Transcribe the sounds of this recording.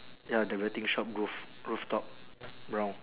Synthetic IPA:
jadəwɛt̪ĩŋʃɔp̚ɹuf | ɹuft̪ɔp̚bɹãw̃n

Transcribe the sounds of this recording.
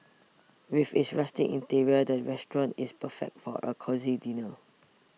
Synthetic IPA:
wifisɹastḭ̃ŋʔḭ̃ntiɹiədəɹɛstɹɔ̃ntispəfɛ̰k̚tfɔ̰ʔə̰kʰɔzidinə

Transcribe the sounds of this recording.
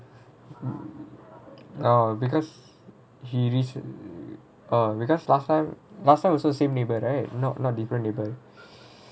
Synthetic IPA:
abikɔs | hiɹis | abikɔslastãɪ̃mlastaɪ̃mwɔsɔdəsẽmnebəɹaɪt̚nɔʔnɔt̚difɾə̃nːebə

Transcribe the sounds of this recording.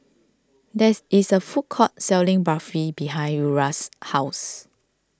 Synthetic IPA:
dɛisəfut̚kʰɔt̚sɛlĩŋbafɹibiɦãj̃nuɹashaʊs

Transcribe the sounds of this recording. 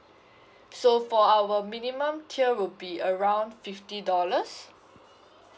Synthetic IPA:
sofɔawəminimə̃mtʰiəwubiəɹãw̃ndfiftidɔləs

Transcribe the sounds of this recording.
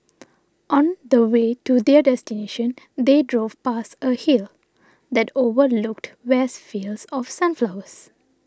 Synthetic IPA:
ʔɔ̃nd̪əweːtud̪ɛɖɛstineʃə̃n | d̪edɹoːv̥pasəhil | d̪ɛtovəluk̚twɛsfilsɔfsãnflawəs

